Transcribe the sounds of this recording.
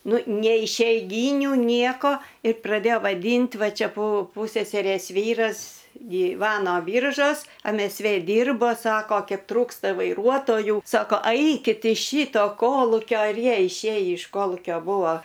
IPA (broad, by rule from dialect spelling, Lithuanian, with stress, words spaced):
ˈnʊ nʲɛɪ ɪʃʲɛɪˈɡʲiːnʲʊ ˈnʲiɛkoː ɪ prɐˈdʲeːjoː ʋɐˈdʲiːnʲtʲ ˈʋɐ ˈt͡ʃʲɛ pʊ ˈpʊsʲɛsʲɛrʲeːs ˈʋʲiːrɐs ɡʲiːˈʋɑːnoː ˈbʲiːrʒoːs ɛm ɛs ˈʋʲeː ˈdʲiːrboː ˈsɑːkoː ˈkʲɛp ˈtruːkstɐ ʋɐɪˈruɔtoːjuː sɐkoː ˈɐɪkʲɪt ɪʃ ˈʃʲiːtoː ˈkoːlˠʊkʲoː ɪr ˈjiɛ ɪʃʲˈeːjiː ɪʃ ˈkoːlˠuːkʲoː ˈbuːʋoː